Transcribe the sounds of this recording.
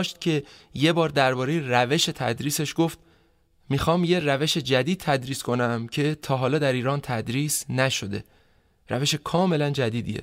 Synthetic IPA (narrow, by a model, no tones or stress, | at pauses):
ʃt̪̚cʰe̞je̞bɒːɾd̪æɾbɒːɾe̞jeræve̞ʃe̞t̪ʰæ̰d̪ɾiːse̞ʃɡoft̪̚ | mixɒːmje̞ræve̞ʃe̞d͡ʒæd̪iːd̪̚t̪ʰæd̪ɾiːskʰo̞næmcʰe̞t̪ʰɒːɦɒːlɒːd̪æɾiːɾɒːnt̪ʰæd̪ɾiːsnæʃo̞d̪e̞̰ | ɾæve̞ʃe̞kʰɒːme̞lænd͡ʒæd̪iːd̪ḭjḛ